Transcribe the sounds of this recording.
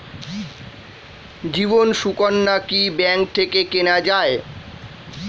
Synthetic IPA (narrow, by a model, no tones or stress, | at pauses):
d͡ʑibonʃukonːakibɛŋk̚t̪ʰekekenad͡ʑae